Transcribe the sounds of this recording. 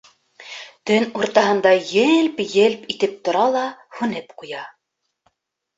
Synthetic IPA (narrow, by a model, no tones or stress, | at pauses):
t̪ɵnuɾt̪ɑɦɤ̆nd̪ɑjɘlpjɘlpit̪ɘp̚t̪ŏɾɑlˠɑhʉnɘpqujɑ